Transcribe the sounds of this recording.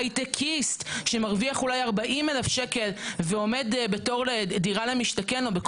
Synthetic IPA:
jtekʰistʃemaʁviaχulajaʁbaʔimelafʃeke̞lveo̞medbe̞to̞ʁlediʁalemiʃtakenobek

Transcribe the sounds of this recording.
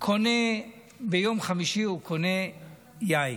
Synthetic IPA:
kʰone | bejo̞mχamiʃiukʰone | jaj

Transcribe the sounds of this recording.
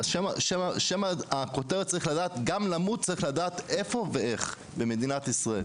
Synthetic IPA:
ʃemaʃemaʃemaako̞t̪eʁet̚t͡saʁiχladaːt̪ɡamlamut̚t͡saʁiχlad̪aːt̪e̞fo̞veeχ | beme̞d̪inat̪isʁael

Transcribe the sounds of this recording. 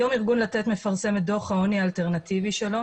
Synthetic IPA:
jo̞miʁɡunlat̪et̪me̞faʁse̞med̪o̞χhaoniaːlte̞ʁnat̪iviʃelo̞

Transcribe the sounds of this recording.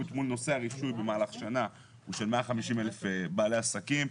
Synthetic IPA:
ut̪mulno̞se̞aʁiʃujbe̞maːlaχʃana | uʃelme̞aχamiʃimelefbaːleasakim

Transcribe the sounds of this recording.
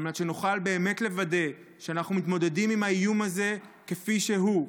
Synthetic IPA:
mnat̪ʃenuχalbe̞ːme̞tle̞vade̞ | ʃeanaχnumit̪mo̞de̞dimimhaijumaze̞ke̞fiʃe̞ɦu

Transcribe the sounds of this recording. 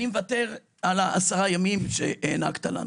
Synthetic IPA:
nimevate̞ʁ | alaʔasaʁajamimʃḛeːna̰kt̪ala̰n

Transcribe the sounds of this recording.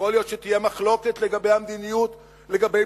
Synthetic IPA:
olijo̞t̪ʃet̪ije̞maχlo̞ke̞t̪le̞ɡabe̞jhamd̪inijut̪ | le̞ɡabe

